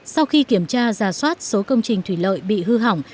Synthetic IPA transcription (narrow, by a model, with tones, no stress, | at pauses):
sa˧wxi˧ki˧˩əmt͡ɕaː˧zaː˨˩swaː˦˥t̚so˨˦kə˧wŋ͡mt͡ɕï˨˩ŋ̟t̪ʰwi˧˩lə̰ː˧˨jɓḭ˧˨ɦɨ˧ɦa˨˧˩wŋ͡m